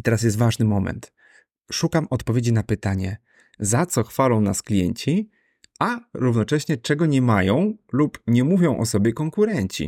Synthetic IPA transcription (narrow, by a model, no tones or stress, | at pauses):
it̪ɛɾasjɛst̪vaʐnɘmɔmɛ̰nt̪ | ʂukamɔt̪pɔvʲjed͡ʑinapɘt̪aɲɛ | zat̪sɔxfalɔ̃w̃na̰sklʲijɛ̰ɲt͡ɕi | aɾuvnɔt͡ʂɛɕɲɛt͡ʂɛɡɔɲɛmajɔ̃w̃lupɲɛmuvʲjɔ̃w̃ʔɔ̰sɔbʲjɛkɔŋkuɾɛɲt͡ɕḭ